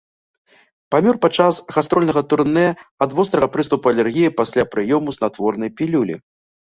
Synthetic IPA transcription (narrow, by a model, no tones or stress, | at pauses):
pamʲɔrpat͡ʂasɣast̪ɾɔlʲnɐɣɐt̪urnɛɐd̪vɔst̪ɾɐɣɐpɾɨst̪upuɐlʲɛrɣʲijipasʲlʲapɾɨjɔmuznat̪vɔrnɐjpʲilʲulʲḭ